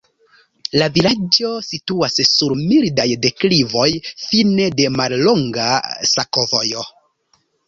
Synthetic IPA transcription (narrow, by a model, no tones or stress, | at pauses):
lavilad͡ʒo̞situassuɾmildajde̞klivo̞jfine̞de̞malːo̞ŋɡasakovojo